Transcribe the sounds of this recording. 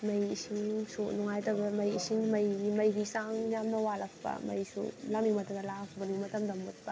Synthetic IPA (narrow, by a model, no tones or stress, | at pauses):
mɐjisiŋsoʔnuŋajtɐɡɐmɐjisiŋmɐjɡimɐjbisaŋjamnɐwalɐppɐ̰mɐ̰jsṵlamimɐtɐmd̪ɐlapʰbɐnimɐtɐmd̪ɐmut̚pɐ